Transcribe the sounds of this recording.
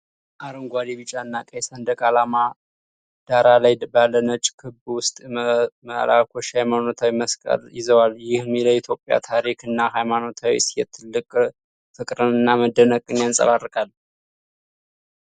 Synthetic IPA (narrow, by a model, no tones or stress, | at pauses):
ʔaɾɨŋɡʷaliβɨt͡ʃʼːaɨnːakʼəsand̪əkʼalama | d̪̥aɾalajbalənət͡ʃʼkʰɨbwʊst̪ʼmə̰la̰kʷʰoʃhajmanot̪ʰawiməskʼə̰ɾjɪzəwaljɪhmiləit̪ʰjo̞pʼja̰t̪ʰaɾikɨnːahajmano̞t̪ʰawḭsijɛ̰t̪ʰːɨlːɨkʼ | fɨkʼɾɨnɨnːaməd̪ənəkʼɨnjansʼə̰ɾarɨkʼal